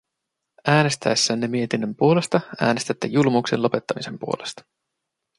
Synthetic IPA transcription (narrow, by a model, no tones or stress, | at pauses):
æːne̞st̪æ̰jsːæːnːemie̞t̪inːømpuo̞le̞st̪ɑæ̰ːne̞st̪æt̪ːḛjulmuksenlo̞pe̞t̪ːɑmise̞mpuo̞le̞st̪ɑ̥